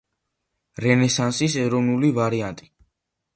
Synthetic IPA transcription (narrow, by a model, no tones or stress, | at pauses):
ɾɛnɛsansisɛɾɔvnulivaɾiant̪ʼi